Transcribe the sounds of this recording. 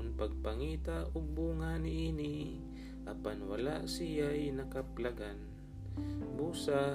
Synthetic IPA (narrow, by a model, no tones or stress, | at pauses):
npaɡ̚paŋiːt̪aʔʊɡ̚buŋanɪʔiːni | ʔapanwalaʔsijajnakaplaɡan | buːsa